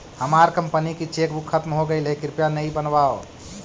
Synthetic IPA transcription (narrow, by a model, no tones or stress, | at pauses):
həmaɾkəmpənikit͡ʃekbʱukʰːət̪mɦoɡəɪlɦekiɾpjanəjbənbao